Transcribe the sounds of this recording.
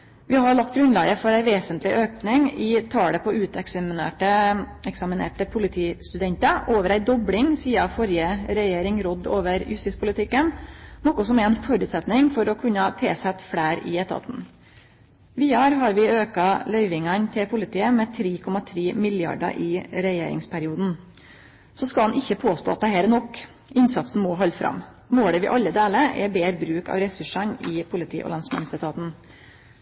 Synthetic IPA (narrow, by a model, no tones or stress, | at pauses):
ʋɪhɑɭɑk̚t̪̚ɡɾʉnlɑːɡəfɔɾæɪʋeːsənt̪lɪʔøːknɪŋɪt̪ʰɑːɽəpʰɔʉːt̪ɛksɑmɪnḛːʈəɛksɑmɪnḛːʈəpʰʊlɪt̪ʰiːst̪ʉd̪ɛɲt̪əʔoːʋəɾæɪd̪ɔblɪŋsiːɑfɔɾjəɾɛjeːɾɪŋɾɔd̪ːo̰ːʋəɾjʉ̰st̪ɪspʰʊlɪt̪ʰɪkːənnɔkʊsɔmæɾɛnfɔɾʉːt̪sɛt̪nɪŋfɔɾɔkʰʉnːɑt̪ʰeːsɛt̪fɽæːɾɪ̰ɛt̪ʰɑ̰t̪n̩ | ʋiːɑɾɦɑɾʋɪøːkɑlœʏʋɪŋɑnt̪ʰɪlpʰʊlɪt̪ʰiːəmɛt̪ʰɾiːkʰɔmɑt̪ʰɾiːmɪljɑ̰ɖɑ̰ʔɪɾɛjḛːɾɪ̰ŋspʰæɾɪuːd̪n̩ | sɔskɑlɑnɪçːəpʰoːst̪o̰ːɑt̪̚d̪ɛhɛːɾənɔkː | ɪnsɑt̪sn̩mɔɦɑlːfɾʔɑ̰m | moːɽəʋɪ̰ʔɑlːəd̪eːləɾʔɛ̰beːɾbɾʉːkɑ̰ːʋɾɛsʉʂɑnɪpʰʊlɪt̪ʰḭːʔɔ̰lɑnsmsət̪ʰɑːt̪n̩